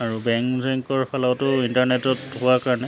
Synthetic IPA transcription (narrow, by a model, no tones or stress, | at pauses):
aɹubɛŋkzɛŋkɔɹpʰalɔwtʊintaɹnɛtɔtɦʊwakaɹnɛ